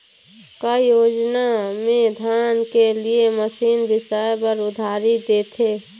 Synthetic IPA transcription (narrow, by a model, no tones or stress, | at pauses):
kajoːd͡ʒnamẽd̪ʱjaːnkelieməsiːnbɪsəjpəɾʊd̪ʱaːɾid̪eːt̪ʰeː